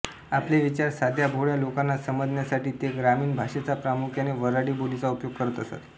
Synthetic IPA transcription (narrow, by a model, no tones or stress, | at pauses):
apleʋit͡ɕaɾsad̪ʱjabʱoɭjalokanːasəməd͡znjasaʈiːt̪eɡɾamiːnbʱaʂet͡sapɾamukʰjaneʋəɾaɽiːbolit͡saupjoɡ̚kəɾət̪əsa̰t̪